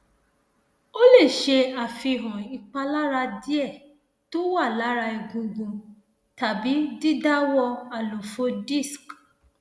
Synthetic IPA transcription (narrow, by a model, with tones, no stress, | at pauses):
o˦le˦˨ʃe˧a˨fi˧˨ɦɔ̃˨i˨k͡pa˧la˦ɾa˧di˦ɛ˦˨ | to˦wa˦˨la˨˦ɾa˧i˧˨ɡũ˧ɡũ˧ | ta˨bi˨˦di˦da˦wɔ˧a˨lo˨fo˨˦di˦˨sk